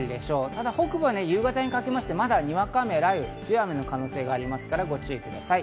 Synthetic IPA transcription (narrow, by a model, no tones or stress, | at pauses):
ɾɯd̪e̞ɕo̞ːt̪ad̪aho̞kɯ̟bɯβane̞jɯːɡat̪aɲ̟ikake̞maɕi̥t̪e̞mad̪aɲ̟iβakame̞ɾaiɯt͡sɨjame̞no̞kano̞ːse̞ːɡaːɾʲimasɨ̥kaɾaɡo̞t͡ɕɨːikɯ̟d̪asai